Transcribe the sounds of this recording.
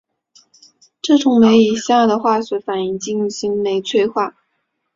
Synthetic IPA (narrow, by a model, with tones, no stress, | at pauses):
ʈ͡ʂɤ˥˩ʈ͡ʂʊ˧˥ŋme˧˥ɪi˨˩ɕja˥˩d̪ə˩xwa˥˩ɕɥɛ˧˥fa˨˩ni˧˩ŋt͡ɕi˥˩ŋ˧ɕi˧˥ŋme˧˥ɪt͡sʰwe˥˧ɪxwa˥˩